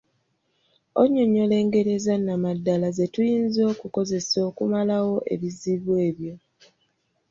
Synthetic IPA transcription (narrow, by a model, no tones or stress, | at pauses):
oɲːoɲo̞le̞ːŋɡe̞ɾe̞zanːamadːalaze̞tujiːnzo̞ːkuko̞ze̞so̞ːkumalawo̞ʔe̞̰βiziβwe̞ːβjo̞